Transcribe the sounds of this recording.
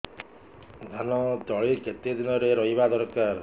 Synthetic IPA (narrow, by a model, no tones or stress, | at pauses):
d̪ʱanɔd͡ʒ̪ɔɭiket̪ed̪inɔɾeɾɔɦibad̪ɔɾkaɾ